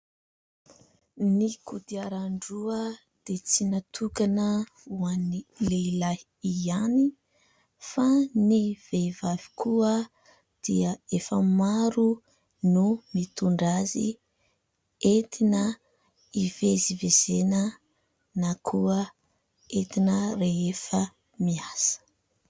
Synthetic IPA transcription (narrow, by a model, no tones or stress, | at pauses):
nikud̪iaɾaɳɖ͡ʐuə | d̪̥et͡sinat̪ʰukanə | uanileila | iani | faniv̥evavi̥kʰuə | d̪̥iəefəmaɾu | numit̪uɳɖ͡ʐazḭ | et̪ʰinə | ivezivezenə | nakʰuə | et̪inəreefə | miasə̥